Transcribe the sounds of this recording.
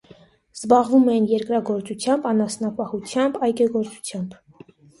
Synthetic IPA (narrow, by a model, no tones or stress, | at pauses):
z̥bɑʁvumɛjinjɛɾkɾɑɡɔɾt͡sut͡sʰjɑmbɑnɑsnɑpɑhut͡sʰjɑmbɑjkɛɡɔɾt͡su̥t͡sʰjɑmb